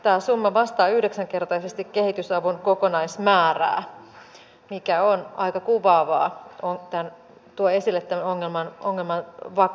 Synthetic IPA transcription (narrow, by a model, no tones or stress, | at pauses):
t̪æːsumːɑʋɑst̪ɑːyhdeksæŋkert̪ɑisest̪ikkehit̪ysɑʋunkokonɑismæːræ̰ː | mikæonɑikɑkuʋɑːʋɑ̰ːoŋt̪æn | t̪uoe̞silːet̪ːæmnoŋːelmɑnoŋːelmɑnʋɑ